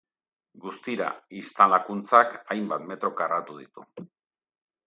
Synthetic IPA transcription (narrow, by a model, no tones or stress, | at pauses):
ɡust̪iɾa̰ist̪alakunt͡sakajmbat̪me̞t̪ɾo̞karat̪uðit̪u